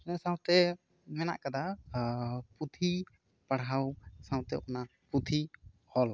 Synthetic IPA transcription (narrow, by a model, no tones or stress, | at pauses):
nɛsãw̃t̪ɛ | mɛna̰ʔkad̪a | put̪ʰi | paɽɦawsãw̃t̪ɛʔɔna | put̪ʰi | hɔl